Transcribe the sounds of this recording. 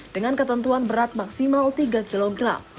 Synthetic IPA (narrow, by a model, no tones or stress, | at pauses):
d̥əŋankət̪ənt̪uanbəɾat̪̚maksimalt̪iɡakiloɡɾa̰m